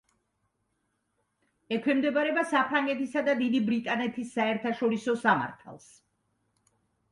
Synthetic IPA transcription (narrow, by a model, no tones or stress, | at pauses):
ɛkʰwɛmd̪ɛbaɾɛbasapʰɾaŋɡɛt̪ʰisad̪ad̪id̪ibɾit̪ʼanɛt̪ʰisːaɛɾt̪ʰaʃɔɾisɔsama̰ɾt̪ʰa̰lˠs